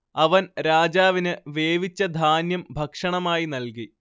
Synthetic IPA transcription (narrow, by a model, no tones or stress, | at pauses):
ɐʋɐnɾaːd͡ʑaːʋinɨʋeːʋit͡ɕːɐd̪ʱaːnjɐmbʱɐkʂɐɳɐmaːjinɐlki